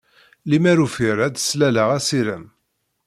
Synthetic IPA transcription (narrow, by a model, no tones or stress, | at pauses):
limæɾufiɾæd̪slæləʁæsiɾəm